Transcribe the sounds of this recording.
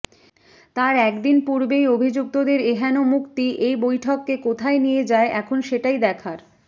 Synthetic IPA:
t̪aɾɛkd̪inpuɾbejobʱid͡ʑuk̚t̪od̪eɾeɦɛnomukt̪iʔejbojʈʰɔkːekot̪ʰaenijed͡ʑaeʔɛkʰonʃeʈajd̪ɛkʰaɾ

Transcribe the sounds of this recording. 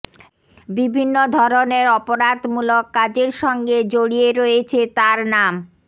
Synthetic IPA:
bibʱinːod̪ʱɔɾoneɾɔpoɾad̪mulokːad͡ʑeɾʃɔŋɡed͡ʑoɽieɾoet͡ɕʰet̪aɾnam

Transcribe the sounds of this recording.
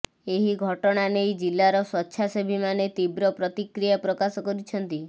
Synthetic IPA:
eɦiɡʱɔʈɔɽ̃anejd͡ʒilːaɾɔsɔtːʃʰasebʱimanet̪ibɾɔpɾɔt̪ikɾijapɾɔkasɔkɔɾit͡ʃʰɔnt̪i

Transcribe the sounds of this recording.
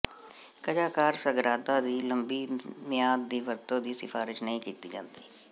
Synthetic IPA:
kəd͡ʒaːkaːɾsəɡɾaːt̪aːd̪iːləmbiːmɪjaːd̪̚d̪iːʋəɾt̪õːd̪iːsɪfaːɾɪʃnəɦĩːkiːt̪iːd͡ʒã̰ːnd̪iː

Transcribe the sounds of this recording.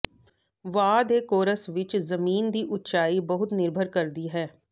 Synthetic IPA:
ʋaːd̪eːkoːɾəsʋɪt͡ʃzəmiːnd̪iːʔʊt̪t͡ʃaːiːbəɦʊt̪nɪɾbʱəɾkəɾd̪iːɦɛː

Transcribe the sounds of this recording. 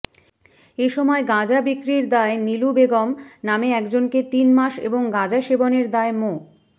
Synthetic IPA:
eʃɔmɔeɡãd͡ʑabikɾiɾd̪aenilubeɡɔmnameɛkd͡ʑonket̪inmaʃḛboŋɡãd͡ʑaʃeboneɾd̪aemo

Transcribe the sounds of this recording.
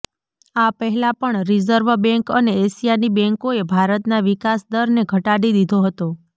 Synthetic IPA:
apəɦɛlapəɳɾizəɾʋbɛ̃ŋkəneːsijanibɛ̃ŋkoebʱaɾət̪naʋikasd̪əɾneɡʱəʈaɽid̪id̪ʱoɦət̪o

